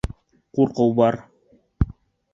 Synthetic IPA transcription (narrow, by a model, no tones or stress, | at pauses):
quɾqɤwbɑɾ